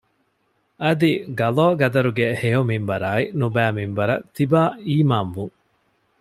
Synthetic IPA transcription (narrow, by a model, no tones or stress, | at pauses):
ɐd̪iɡɐloːɡɐd̪ɐɾuɡehejomimbɐɾaːinubæːmimbɐɾɐ̰t̪ːibaːiːmaːnʋuŋ